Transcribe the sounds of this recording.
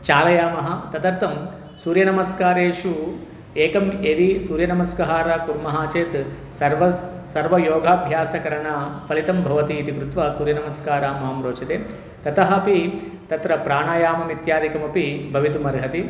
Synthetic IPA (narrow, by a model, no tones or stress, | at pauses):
t͡ʃaːlɐjaːmɐɦɐ̆t̪ɐt̪ɐɾt̪ɐm | suːɾjɐnɐmɐskaːɾeːʂu | eːkɐmeːʋisuːɾjɐnɐmɐskɐɦaːɾakuɾmɐɦaːt͡ʃeːt̪ | sɐɾʋɐ | sɐɾʋɐjoːɡʱaːbʱjaːsɐkɐɾɐɳapʰɐlit̪ɐmbʱɐʋɐt̪iːt̪ikɾut̪ʋɐsuːɾjɐnɐmɐskaːɾaːmɐɦɐmɾoːt͡ʃɐt̪eː | t̪ɐt̪ɐɦɐpit̪ɐt̪ɾɐpɾaːɳaːjaːmɐmit̪jaːd̪ikɐmɐpibʱɐʋit̪umɐɾɡʱɐt̪i